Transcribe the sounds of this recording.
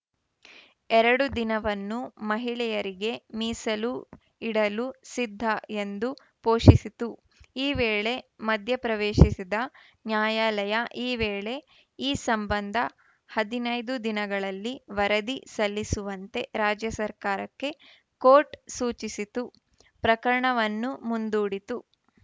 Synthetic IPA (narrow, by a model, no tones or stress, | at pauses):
ɛɾɐɽud̪inɐʋɐnːumɐɦiɭɛjɐɾiɡe̞miːsɐlu | iɽɐlusid̪ʱːɐe̞nd̪u | poːʃisit̪u | iːʋeːɭe̞mɐd̪ʱjɐpɾɐʋeːʃisid̪ɐ | njaːjaːlɐjɐʔiːʋeːɭe̞ | iːsɐmbɐnd̪ʱɐ | hɐd̪inɐjd̪ud̪inɐɡɐɭɐlːiʋɐɾɐd̪isɐlːisuʋɐnt̪e̞ɾaːd͡ʒjɐsɐɾkaːɾɐkːe̞ | koːʈsuːt͡ʃisit̪u | pɾɐkɐɾɐɳɐʋɐnːumund̪uːɽit̪u